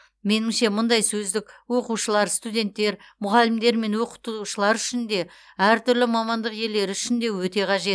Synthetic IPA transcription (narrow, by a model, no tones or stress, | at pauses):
me̞nɪmʃe̞mʊnd̪ɑjsɵzd̪ɪkwo̞quʃəlˠɑɾst̪ud̪ʲe̞nt̪ːe̞ɾ | mʊʁɑlɪmd̪e̞ɾme̞nwo̞qə̥t̪uʃəlˠɑɾʏʃɪnd̪e̞ | æɾt̪ʏɾlɪmɑmɑnd̪əqje̞lːe̞ɾɪʏʃɪnd̪e̞wɵt̪e̞qʰɑʒe̞t̪